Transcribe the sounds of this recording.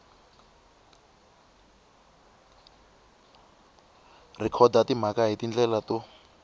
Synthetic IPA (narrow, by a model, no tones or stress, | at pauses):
rikʰɔdatim̤akaɦitind͡ɮɛlatu